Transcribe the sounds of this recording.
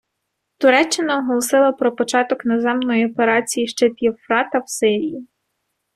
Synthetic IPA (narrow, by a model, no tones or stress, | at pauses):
t̪ʊɾɛt͡ʃːɪnɐɔɦɔlˠɔsɪlˠɐpɾɔpɔt͡ʃɑt̪ɔknezɛmnɔjiɔpeɾɑt͡sʲijiʃt͡ʃɛt̪ʲiwfɾɑt̪ɐwsɪɾʲiji